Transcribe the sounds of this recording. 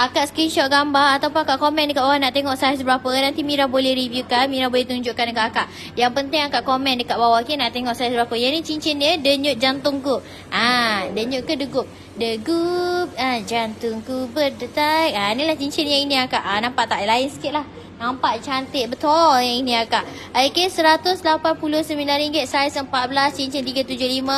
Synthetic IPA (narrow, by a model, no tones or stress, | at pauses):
akaʔsəkɾinʃɔt̚ɡambaat̪awpʊnakaʔkomɛ̃ndəkaʔ̚bawanaʔt̪eŋɔʔsas̬bəɾapənant̪imiɾabolɛhɾibjukanmiɾabolɛht̪uɲd͡ʒʊʔkandəkaʔ̪akaʔ | jaŋpənt̪ɪŋakaʔkomɛ̃ndəkaʔ̚bawakinaʔt̪eŋɔʔsajsbɾapəjanit͡ʃiɲt͡ʃinɲədəɲʊt̪̚d͡ʒant̪ʊŋkuʔ | adəɲʊʔ̪̚kədəɡup̚ | dəɡup̚ad͡ʒant̪ʊŋkubədət̪ak̚anilaht͡ʃiɲt͡ʃinjãinĩakaʔanampaʔt̪aʔlaɪnsə̥kɪt̪̚lah | nampaʔ̪t͡ʃant̪ɪʔ̪̚bət̪ɔjainĩakaʔ | akesəɾat̪ʊslapanpulʊhsəmilanɾiŋɡɪt̪̚sajsəmpat̪̚bəlast͡ʃiɲt͡ʃint̪iɡat̪ud͡ʒʊhlimã